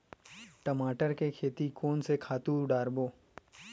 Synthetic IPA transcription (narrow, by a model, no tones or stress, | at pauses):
ʈɐmaːʈəɾkekʰeːt̪ikoːnsekʰaːt̪ũɖaːɾboː